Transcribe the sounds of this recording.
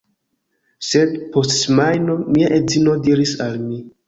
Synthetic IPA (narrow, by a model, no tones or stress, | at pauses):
se̞dpo̞stmajno̞miaʔezino̞diɾisalmi